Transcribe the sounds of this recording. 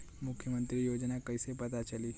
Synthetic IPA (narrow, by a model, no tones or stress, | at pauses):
mukʰjəmənt̪ɾiːjod͡ʑnakəjsepət̪at͡ɕaliː